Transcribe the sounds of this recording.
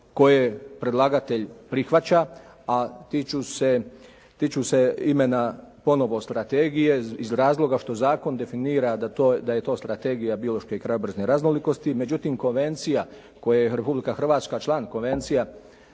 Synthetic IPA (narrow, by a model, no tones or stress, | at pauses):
ko̞jepɾe̞d̪lˠaːɡat̪e̞ʎpɾixʋat͡ɕa | at̪it͡ʃuse | t̪it͡ʃuse̞ime̞napo̞no̞ʋo̞st̪ɾat̪eɡije̞izɾaːzlˠo̞ɡaʃt̪o̞zaːko̞nd̪e̞finiːɾad̪at̪od̪aje̞t̪o̞ːst̪ɾat̪eɡijabio̞lˠo̞ʃke̞kɾajobr̩zneɾaznoliko̞st̪ime̞d͡ʑut̪imko̞nʋe̞nt̪sija | ko̞jejeɾepublikaxr̩ʋaːt̪skat͡ʃlˠaːnko̞nʋe̞nt̪sija